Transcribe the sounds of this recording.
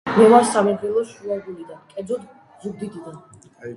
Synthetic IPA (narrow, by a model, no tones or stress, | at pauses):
mɛvaɾsamɛd̪ɾɛlˠɔʃuaɡulid̪ankʼɛd̪zɔd̪ | zuɡ̚d̪id̪id̪an